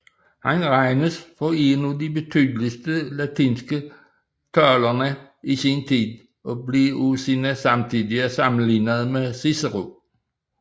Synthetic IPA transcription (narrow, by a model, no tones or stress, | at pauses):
hænʁɑɪnəsfɒenud̪ibet̪ʰyːd̪lisd̪əlæt̪ʰiːnsɡ̥ə | t̪ʰœːlɐnə | isint̪ʰḭːðˠ | ʔɔbliusinəsɑ̈mt̪ʰid̪iɐsɑmn̩liːnəðˠmesisəʁo